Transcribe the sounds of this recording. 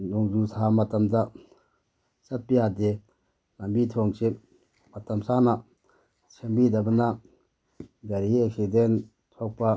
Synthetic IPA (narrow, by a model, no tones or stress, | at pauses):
nɔŋzusʰamɐtɐmda | sɐt̚pijade | lambitʰɔŋse | matɐmsana | sʰembidabɐna | ɡaɾieksiden | tʰɔk̚pa